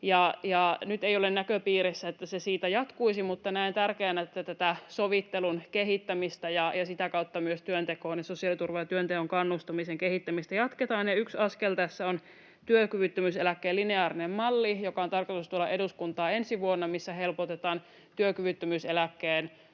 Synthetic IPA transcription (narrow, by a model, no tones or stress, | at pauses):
jɑjɑnyt̪eijolennækøpiːɾesːæet̪ːæsesiːt̪æjɑt̪kuisimut̪ːɑnæint̪ærkeːnæet̪ːæt̪æt̪æsoʋit̪ːelunkeɦit̪ːæmist̪æjɑjɑsit̪ækɑut̪ːɑmyøst̪yønt̪ekoːnjesosiɑˑlit̪urʋɑjɑt̪yønt̪ehoŋkɑnːust̪ɑmiseŋkehit̪ːæmist̪æjɑt̪ket̪ɑːnjɑyksɑskelt̪æsːæon | t̪yøkyʋyt̪ːømyselækːeːlineɑːɾinemmɑlːijokɑot̪ɑrkot̪ust̪uolːɑʔeduskunt̪ɑːe̞nsiʋuonːɑmisːæhe̞lpot̪et̪ɑːn | t̪yøkyʋyt̪ːømyselækːeːn